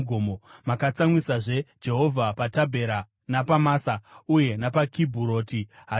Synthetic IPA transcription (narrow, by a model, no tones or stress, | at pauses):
ɡʱoːmomakat͡samwisaʐe̞d͡ʒe̞ɦo̞vʱapatabʱe̞ɾa | napamaːsauje̞napakibʱuɾo̞ːtiɦa